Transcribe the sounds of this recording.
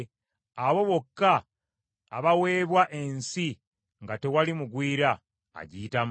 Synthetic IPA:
aβo̞βo̞kːaː | βawe̞ːβwaʔe̞nsi | ŋɡate̞walimuɡwiːɾa̰ː | ɟiːtam

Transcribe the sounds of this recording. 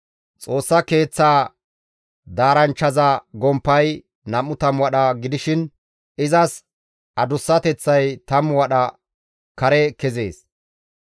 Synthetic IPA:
t͡sʼo̞ːsːɐke̞ːt͡sːaː | d̪aːɾɐnt͡ʃːɐzɐɡɔmpːɐj | nɐmːʊt̪ɐmwɐɗɐɡɪd̪ɪʃɪn | ɪzɐs | ɐd̪ʊsːɐt̪ɛt͡sːɐjt̪ɐmwɐɗɐ | kɐɾɛkɛzeːs

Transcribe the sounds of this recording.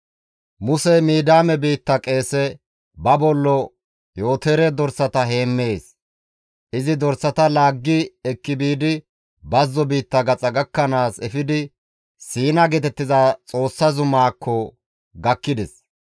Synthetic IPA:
mʊsɛmiːd̪aːmɛbiːt̪ːɐkʼe̞ːsɛ | bɐbɔlːɔ | jo̞ːt̪eːɾɛd̪ɔɾsɐt̪ɐɦe̞ːmːe̞ːs | ʔɪzɪd̪ɔɾsɐt̪ɐlaːɡːɪɛkːɪbiːd̪ɪ | bɐzːɔbiːt̪ːɐɡɐt͡sʼɐɡɐkːɐnaːsɛfɪd̪ɪ | siːnɐɡɛt̪ɛt̪ːɪzat͡sʼo̞ːsːɐzʊmaːkʰːɔ | ɡɐkːɪd̪ɛs

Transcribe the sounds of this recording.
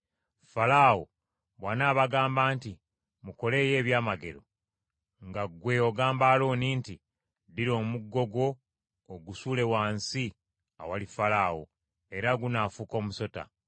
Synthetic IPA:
falawo̰ | βwanaːβaɡaːmbaːnti | muko̞le̞ːje̞ːβjaːmaɡe̞̰ɾo̞ | ŋɡaɡwe̞o̞ɡaːmbaːlo̞ːninti | diɾo̞ːmuɡːo̞ɡwo̞ː | ɡusuːle̞waːnsi | a̰walifalaːwo̰ | e̞ɾaɡunafuko̞ːmuso̞ta̰

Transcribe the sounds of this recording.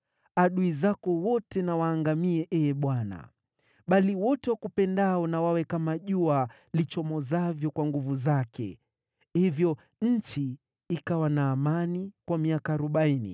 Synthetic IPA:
aɗuizakɔwɔtɛnawaːŋɡamiɛʔɛɓwana̰ | ɓaliwɔtɛwakupɛndaɔnawawɛkamaʄua | lit͡ʃɔmɔzavjɔkwaŋɡuvuzakɛ̰ | hivjɔ | ɲ̩t͡ʃiː | kawanaːmanikwamiakaːɾuɓainḭ

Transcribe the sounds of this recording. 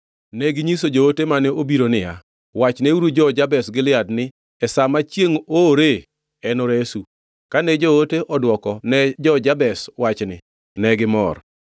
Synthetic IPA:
nɛɡɪɲisod͡ʒootemanɛobiɾonɪja̰ | wat͡ʃneuɾud͡ʒɔd͡ʒabɛsɡɪlɪadnɪ | ɛsamat͡ʃjeŋoɾe | ɛnɔɾesu | kanɛd͡ʒooteʔɔdwɔkɔnɛd͡ʒɔd͡ʒabɛswat͡ʃnɪ | nɛɡɪmɔ̰r

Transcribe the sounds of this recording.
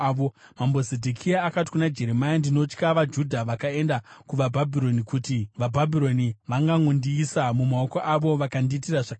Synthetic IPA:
o | mambozedʱikʰijaːkati̥kunad͡ʒe̞ɾemajandino̞t͡ʃkaʋad͡ʒudʱaʋakae̞ndakuʋabʱabʱiɾo̞nikutiʋabʱabʱiɾo̞niʋaŋɡaŋondiːsamumao̞koʔaʋo̞ʋakandiːtiraʐaka

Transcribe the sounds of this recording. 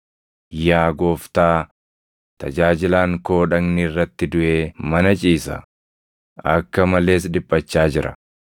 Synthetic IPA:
jaːɡoːft̪aː | t̪ɐd͡ʒaːd͡ʒɪlaːŋko̞ːᶑɐɡnirːɐt̪ːɪd̪ʊʔe̞ːmɐnɐt͡ʃʼiːsɐ̰ | ɐkːɐmɐle̞ːs̬ᶑɪpʼːɐt͡ʃːaːd͡ʒɪɾʔɐ̰

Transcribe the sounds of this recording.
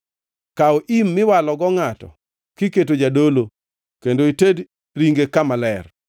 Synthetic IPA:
kaoʔimːɪwalɔɡɔŋatɔ̰ | kiket̬od͡ʒadolo | kendoited | ɾiŋɡekamalɛr

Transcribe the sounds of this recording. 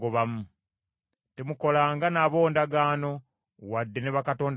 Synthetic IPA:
ɡoβamu | temuko̞laːŋɡanaβo̞ːndaɡaːno̞ | wadːeneβakato̞ːnd

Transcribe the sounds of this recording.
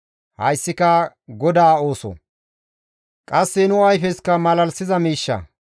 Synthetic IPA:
hɐ̰jsːɪkɐ | ɡɔd̪aːo̞ːsɔ̰ | kʼɐsːɛnʊɐjfɛskɐmɐlɐlsɪzɐmiːʃːɐ̰

